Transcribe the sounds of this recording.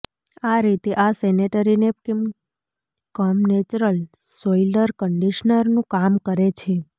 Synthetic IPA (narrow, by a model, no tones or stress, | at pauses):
aɾit̪eʔaseneʈəɾinekim | kɔmnet͡ʃɾəl | soiləɾkəɳɖiʃnəɾnũkamkəɾet͡ʃʰe